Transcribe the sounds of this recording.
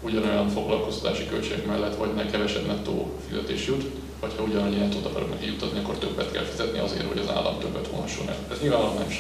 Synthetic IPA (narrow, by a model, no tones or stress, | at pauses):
uɟɒno̞jɒnfo̞ɡlɒlkost̪ɒ̥t̪aːʃikølt͡ʃeːɡɛkmɛlːɛt̪ːʋɒɟnɛkɛvɛʃɛbnɛkt̪o̰ːfizɛt̪eːʃjut̪ | ʋɒchɒuɟɒnɲɛnt̪od̪ɒkɒ̰ɾoknɛkijut̪ːɒt̪niɒkːo̞rt̪ø̞bːɛt̪kɛ̰lfizɛt̪nḭɒ̰zḛːɾho̞̰ɟɒza̰ːlːɒ̰mt̪øbːɛt̪honhɒʃːṵlɛ̰lɛzɲiːlvaːnolɒmnɛmʃ